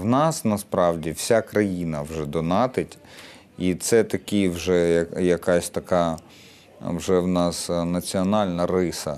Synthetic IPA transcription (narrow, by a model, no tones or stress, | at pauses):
wnɑsnɐspɾɑwdʲiwsʲakɾɐjinɐwʒɛd̪ɔnɑt̪ɪtʲ | it̪sɛt̪ɐkʲiwʒɛjɐjɐkɑsʲt̪ɐkɑ | wʒɛwnɑsnɐt͡sʲiɔnɑlʲnɐrɪsɐ